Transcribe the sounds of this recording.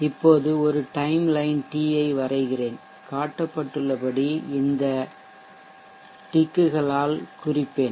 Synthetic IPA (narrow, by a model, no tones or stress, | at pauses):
ɪpːoːðɯɔɾɯʈɐɪmlɐɪnʈiːɐɪʋɐrɐɪɣɪreːn | kaːʈːɐpːɐʈːɯɭːɐpɐɽiɪnd̪ɐ | ʈɪkːɯɣɐɭaːlkʊrɪpːeːn